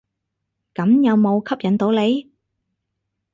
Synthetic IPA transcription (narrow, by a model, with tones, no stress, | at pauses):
kɐ˨˥mjɐ˨˧wmo˨˧wkʰɐ˥p̚jɐ˨˥nt̪o˨˥wle˨˧j